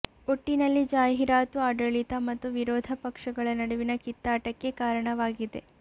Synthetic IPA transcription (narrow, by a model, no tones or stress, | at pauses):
oʈːinɐlːid͡ʒaːɦiɾaːt̪uaːɖɐɭit̪ɐmɐt̪ːuʋiɾɔːd̪ʱɐpɐkʂɐɡɐɭɐnɐɽuʋinɐkit̪ːaːʈɐkːe̞kaːɾɐɳɐʋaːɡid̪e̞̰